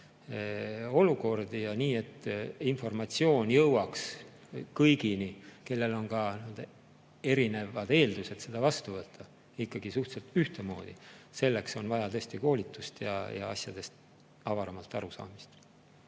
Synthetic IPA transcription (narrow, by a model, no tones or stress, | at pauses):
o̞luko̞rd̪̥ijɑniːe̞t̪ːˑinfo̞rmɑt̪ʲsio̞ːnjɤwɑks | kɤjɡ̥inike̞lːe̞lo̞nkɑnyld̪ | e̞ɾine̞vɑd̪e̞ːld̪̥use̞d̪se̞d̪ɑvɑst̪uvɤt̪ʰːɑ | ikːɑɡ̥isuht̪selt̪yht̪e̞mo̞̰ːd̪̥ḭse̞lːe̞kso̞nvɑjɑt̪ɤst̪iko̞ːlit̪ːˑust̪jɑ̰jɑ̰ɑsjɑd̪̥e̞st̪ | ɑvɑɾɑmɑlt̪ːˑɑ̰ɾusɑ̰ːmist̪